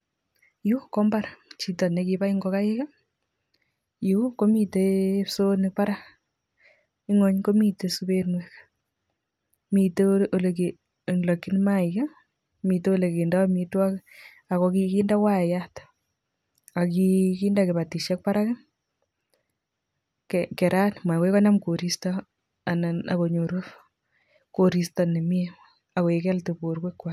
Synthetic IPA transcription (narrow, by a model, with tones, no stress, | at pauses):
ju˦ko˦mba˦ɾat͡ʃi˨tɔ˨ne˦ki˧pa˦i˦ŋɡɔ˨ka˦e˦ka˦ | ju˨˦ko˦mi˨te˦so˦nɪ˨pa˦ɾa | i˦ŋɔ˨ɲko˦mi˨te˨su˦be˦nwek | mi˨te˦o˨le˨ke˨ | lo˨kːi˦nma˦ika˦ | mi˨te˦o˦le˨ke˨nda˦mitwa˦k | a˨kɔki˦kiːnda˦kwa˦˨jat | a˨ki˦kindake˨ba˨ti˨ʃɛ˦k̚pa˦ɾa˦kɪ˦m | kɛkɛ˨ɾʔa˦nma˨we˦ka˦na˦mko˨ɾi˦stɔ | a˨na˨na̰˨ko˨ɲo˨ɾuf | ko˨ɾi˨stane˨mi˦e | a˨ko˨e˨kɛ˦lto˨bo˨ɾkekːwa